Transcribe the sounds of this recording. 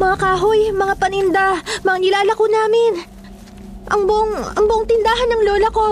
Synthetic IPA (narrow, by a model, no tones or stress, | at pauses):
mɐŋakaːɦojmɐŋapɐnɪnd̪amɐŋanɪlaːlɐkonaːmɪn | ʔɐŋbʊʔoŋɐŋbʊʔoŋt̪ɪnd̪aːɦɐnːɐŋloːlɐko̞